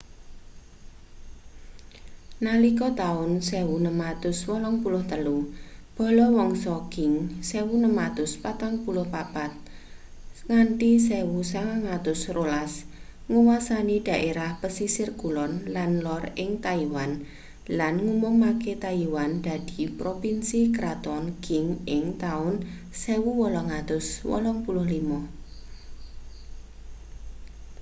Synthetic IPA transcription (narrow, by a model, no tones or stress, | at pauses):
nalikɔt̪aʊnsewunəmat̪ʊswɔlɔŋpulʊht̪əlub̥ɔ̤lɔwɔŋsɔɡ̥ɪŋsewunəmat̪ʊspat̪aŋpulʊhpapat̪̚ | ŋaɳʈisewusaŋaŋat̪ʊsrolas | ŋuwasaniɖ̪̥a̤ʔeɾahpəsisɪrɡ̥ulɔnlanlɔrɪŋt̪aiwan | lanŋumɔŋmaket̪aiwand̪̥a̤d̪̥i̤pɾopinsikɾat̪ɔnɡ̥ɪŋɪŋt̪aʊn | sɛwuwɔlɔŋat̪ʊswɔ̰lɔŋpulʊhlimɔ